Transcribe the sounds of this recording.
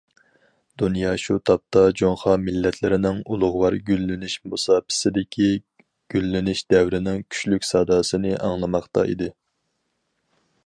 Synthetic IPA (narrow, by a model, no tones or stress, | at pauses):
d̪unjɑʃut̪ʰɑp̚t̪ʰɑd͡ʒoŋχɑmɪlːɛt̪ʰlɪɾɪnɪŋulˠʊʁʊwɑɾɡʲylːɪnɪʃmusɑːpʰɪ̥sɪd̪ɪkʲʰi | ɡ̥ʲylːɪnɪʃd̪ɛwɾɪnɪŋkʲʰy̥ʃlykʲsɑːd̪ɑːsɨnɪʔɑŋlˠɨmɑχt̪ɑ̰ḭd̪ɪ